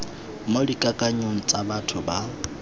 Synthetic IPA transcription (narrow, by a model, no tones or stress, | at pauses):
modikʼakʼaɲʊŋ̩t͡sʼabatʰʊba